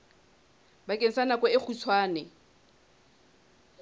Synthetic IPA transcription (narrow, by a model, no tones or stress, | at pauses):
bakʼen̩sanakʼɔɪk͡xʰut͡sʰwaːnɛ